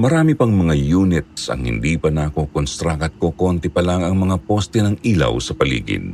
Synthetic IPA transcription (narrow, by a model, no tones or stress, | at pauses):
mɐɾaːmipɐŋmɐŋajuːnɪt̪̚sɐ̰ŋhɪ̰nd̪iːpɐnaːkokonst̪ɾaːkɐt̪̚kokont̪ɪpɐlaŋɐŋmɐŋapost̪ɛnɐŋiːlɐ̰wsɐpɐlḭːɡɪ̰n